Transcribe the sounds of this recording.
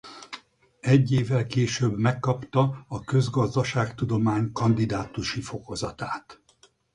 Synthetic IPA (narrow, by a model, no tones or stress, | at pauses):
ɛɟːeːvːɛlkeːʃøːbmɛkːɒpt̪ɒɒkø̞zɡɒzd̪ɒʃaːkt̪ud̪o̞maːɲkɒnd̪id̪aːt̪uʃifo̞ko̞zɒt̪aːt̪